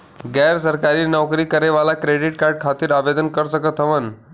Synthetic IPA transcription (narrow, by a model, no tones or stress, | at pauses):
ɡɛɾsəɾkaɾiːnɔwkɾiːkəɾeʋalakɾeɖiʈ̚kaɾɖ̚kʰat̪iːɾaʋed̪ənkəɾsəkət̪ʰɦəʋən